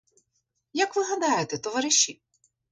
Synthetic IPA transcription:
jɐkʋɪɦɐd̪ɑjʊt̪ɛt̪ɔʋɐɾɪʃʲːi

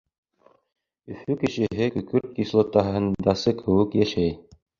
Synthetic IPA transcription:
ɵ̆fʉkɘ̆ʃɘ̆ɦɘkɵ̆kɵɾt̪̚kislˠŏt̪ɑɦɤ̆nd̪ɑsɤkʰɘ̆wɘkjæʃæj

